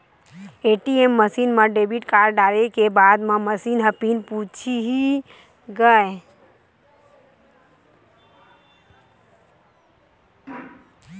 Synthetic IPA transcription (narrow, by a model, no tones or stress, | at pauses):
eʈiemːəsinmə̃ɖebʱiʈkaɾɖaɾekebad̪mẽməsiːnɦəpinput͡ʃʰiɦi | ɡəe